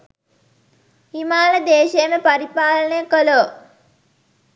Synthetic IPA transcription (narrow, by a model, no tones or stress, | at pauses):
himaːləd̪eːʃejəməpaɾipaːlənəjəkəloː